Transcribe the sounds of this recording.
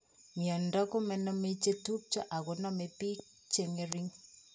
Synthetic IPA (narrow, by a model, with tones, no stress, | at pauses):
mjɔ˨ndɔ˦ko˦mɛ˨nɔ˦me˦t͡ʃe˦tu˦p̚t͡ʃa˦ʔa˨kʊ˨nɔ˦me˨pi˦ | t͡ʃe˨ŋe˨ɾi˦ŋ